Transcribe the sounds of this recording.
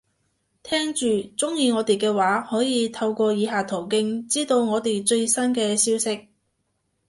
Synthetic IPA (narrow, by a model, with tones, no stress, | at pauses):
t̪ʰɛː˥ŋt͡ʃyː˨t͡sʊ˥ŋjiː˨˧ŋɔː˨˧t̪e˨jkɛː˧waː˨˥hɔː˨˥jiː˨˧t̪ʰɐ˧wkʷɔː˧jiː˨˧ɦaː˨t̪ʰo˨˩wkɪ˧˥ŋt͡siː˥t̪o˧wŋɔː˨˧t̪e˨˩jt͡ʃɵ˧ɥsɐ˥nkɛː˧siː˥wsɪ˥k̚